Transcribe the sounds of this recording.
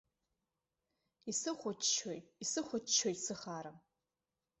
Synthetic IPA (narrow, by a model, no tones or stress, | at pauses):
isɨχʷʊt͡ʃt͡ʃʰojisɨχʷʊt͡ʃt͡ʃʰojsɨχaːɾɨm